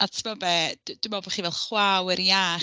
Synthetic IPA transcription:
atʰɪmabɛdd̥umɔbɛχivɛlˠχwawəɾja

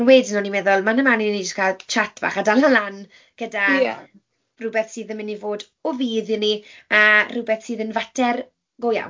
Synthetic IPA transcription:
nweːdɪnɔnimɛːðɔlˠmanəmaninid͡ʒəskʰalˠt͡ʃʰatʰv̥a̰ːχadalalan | ɡ̥əda | rubɛθsiːðəmɪnːivoːd | ɔviːðɪniarubɛθsiːðənvatʰɛr | ɡ̥oja̰w

